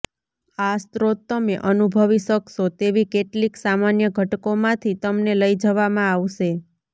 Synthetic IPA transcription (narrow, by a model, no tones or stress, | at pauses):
ast̪ɾot̪̚ːəmeʔənubʱəʋiʃəkʃot̪eʋikeʈliksamanjəɡʱəʈkomãt̪ʰit̪əmneləjd͡ʒəʋamãaʋʃe